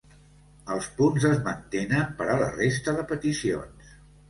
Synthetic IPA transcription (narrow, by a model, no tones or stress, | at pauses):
əlˠspunzəzmənt̪enəmpəɾələ̰rest̪əðəpət̪isio̰ns